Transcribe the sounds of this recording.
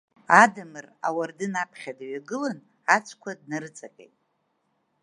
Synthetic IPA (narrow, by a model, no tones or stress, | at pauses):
adɨmɨra̰wardɨnapʰχʲadaɥaɡɨlan | at͡sʷʰkʷʰad̚narɨt͡sʼakʲʼḛjtʼ